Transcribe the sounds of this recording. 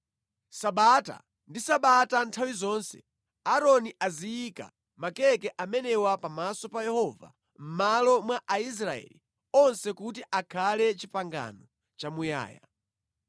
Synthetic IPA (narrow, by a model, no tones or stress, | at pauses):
saɓata̰ | ndisaɓatantʰawizɔːnsɛ̰ | aɾɔniʔazijika̰ | makɛkɛʔamɛnɛwapamasɔpajɛhɔːva̰ | m̩malɔmwaʔais̬ɾaɛ̰li | ɔnsɛkutiʔakʰalɛt͡ʃipaŋɡa̰nɔ | t͡ʃamuja̰ːja̰